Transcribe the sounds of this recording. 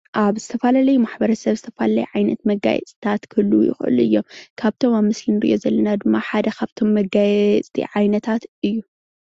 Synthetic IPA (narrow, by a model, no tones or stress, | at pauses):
ʔaβzɨt̪ʰɐfalalɐjumaħbɐɾɐsɐβzɨt̪ʰɐfalalɐ̰juʕajnɐt̪mɐɡa̰jɛ̰t͡sʼt̪ʰat̪kʰɨlːujɪ̰xʔɨ̰luɨjːo̞̰mkʰaβt̪ʰo̞maβmɨslinɨɾɨ̰ʔjozɐlːɐnad̪ɨmːaħad̪ɐkʰaβt̪ʰo̞mːɐɡajɛt͡sʼt̪ʰḭʕajnɐt̪ʰat̪ɨjːu